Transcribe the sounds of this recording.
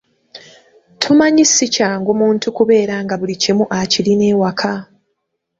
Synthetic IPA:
tʰumaɲisicaːŋɡomuːntukuβe̞ːɾaːŋɡaβulicimuʔaciline̞ːwakʰa

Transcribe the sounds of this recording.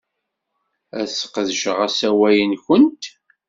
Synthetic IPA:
æsqðʒəʁæsæwæjənçənt̪

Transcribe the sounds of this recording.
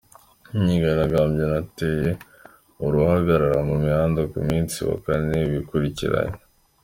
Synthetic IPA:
ɲiɡaɾaɡaːmɟenateje | uɾuhaɡaɾaɾamumihaːndokṵmiːnsḭwa̰kaneβikuɾicḭɾa̰ɲo

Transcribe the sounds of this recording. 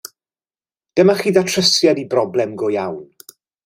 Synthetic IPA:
d̥əmaχiːðatʰrəsjadibrɔblˠɛmɡʊjawn

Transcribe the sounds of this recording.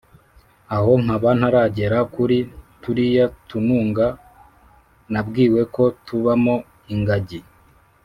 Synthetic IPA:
aho̞ŋ̥aβan̥haɾaɟe̞ɾakuɾituɾijatunuːŋɡa | nabɡiːwe̞ko̞tuβamo̞ | iŋɡaɟi

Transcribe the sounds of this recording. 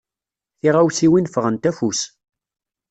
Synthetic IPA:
θiʁawsiwinfəʁənt̪æfus

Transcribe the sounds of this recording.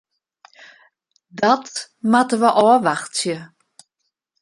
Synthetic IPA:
dɔtmatəʋəʔɔːʋaxtsjə

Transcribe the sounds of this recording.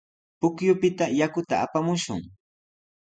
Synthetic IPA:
pʊkjʊpɪt̪ajakʊt̪aapamʊʃʊ̰ŋ

